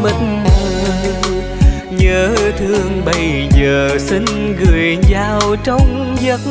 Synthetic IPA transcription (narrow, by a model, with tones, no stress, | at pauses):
mə˨˩m˧˩˧ | ɲəː˨˧˦t̪ʰɨ˧əŋɓə˧jzəː˨˩si˧˩ŋ̟ɣɨ˨˩əjzaː˨˩wt͡ɕɔ˧wŋ͡m | zə˨˦˥k̚